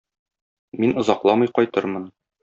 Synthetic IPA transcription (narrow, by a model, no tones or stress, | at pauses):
minŏzɑqlˠɑmɤjqɒjt̪ɤɾmɤn